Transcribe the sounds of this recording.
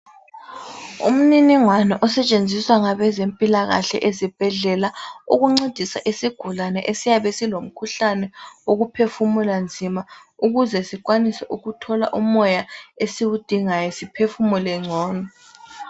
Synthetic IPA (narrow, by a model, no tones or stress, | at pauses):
ṵm̩niniŋwanɛʔɔsɛt͡ʃʼend͡zʱiswaŋaβɛzempʼilaɣa̰ɬɛ̰ʔezib̥ʱɛɮɛlauɣuŋ͡ǀod̥ʱisa̰ʔisiɡ̥ʱulanɛʔesijaβesilom̩kʰuɬanɛoɣupʰefumuland͡zʱimauɣuzɛsik̬ʼwanisɛʔuɣutʰɔla̰ʔumɔjaesiwud̥ʱiŋajɛsipʰefumulɛŋ͡ǀʱɔːnɔ